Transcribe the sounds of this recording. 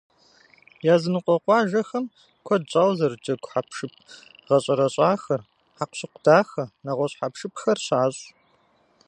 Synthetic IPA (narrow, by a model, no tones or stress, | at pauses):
jaːzɨnɨqʷɔqʷɑːʒɐxɐm | kʷʰɔdt͡ʃʼaːwzɐrd͡ʒɐɡʷħapʂɨp̚ʰ | ʁɐɕʼɐɾɐɕʼɑːxɐr | ħaqʷɕɪqʷʊdaːxɐnɐʁʷɔɕħapʂɨpʰxɐrɕaːɕʼ